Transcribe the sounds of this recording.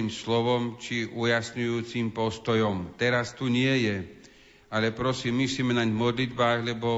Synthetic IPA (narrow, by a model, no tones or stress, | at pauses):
imslɔʋɔmt͡ʃiujasɲujuːt͡simpɔst̪ɔjɔmt̪ɛɾast̪uɲɪɛjɛ | alɛpɾɔsiːmːisimɛnaɟmɔd̪lid̪baːɣlɛbɔ